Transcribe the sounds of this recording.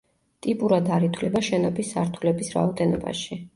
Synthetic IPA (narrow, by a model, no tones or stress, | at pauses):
t̪ʼipʼuɾad̪aɾit̪ʰwlɛbaʃɛnɔbʰisa̰ɾt̪ʰulɛbisɾa̰ɔd̪ɛnɔba̰ʃi